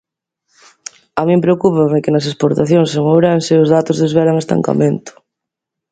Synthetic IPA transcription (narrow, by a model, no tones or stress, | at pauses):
amĩmpɾeokupamɪkɪnɐs̬espoɾt̪aθjoŋsoŋowɾanʃeʊzðat̪ʊzðɪzβɛɾaŋest̪a̰ŋka̰mẽnt̪ʊ̥